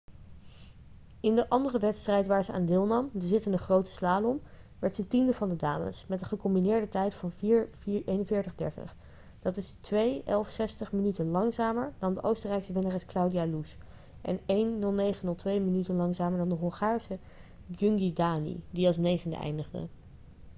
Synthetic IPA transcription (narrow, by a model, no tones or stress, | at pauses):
ɪndəʔɑndərəʋɛtstrɛjtʋaːɹzəa̰ːndɪːlˠnɑmdəɹzɪtənəχrowtə̥slaːlɔm | ʋɛɹtdətindəvɑndəda̰ːmə̰smɛtdəχəkɔmbinɪːɹdətɛjtfɑn | ejnənvɪːɹtəχdɛɹtə̰χ | d̥ɑtɪstʋejɛlˠfsɛstəχmənytənlɑŋzaːməɹdɑndəʔowstərɛjksəvɪnərɛsklawdijalus | ʔɛ̰nejnːɵlˠnejχənɵlˠtʋejmənytənlɑŋzaːməɹdɑndəɦɔŋχaːɹsə | d͡ʒɵŋɡidaːnḭdiɑlˠs̬nejχəndə̰ɛ̰jndəχdə̰